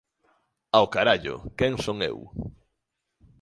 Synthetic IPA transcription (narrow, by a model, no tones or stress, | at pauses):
aokaɾaʎʊ̰kɛŋsoŋḛw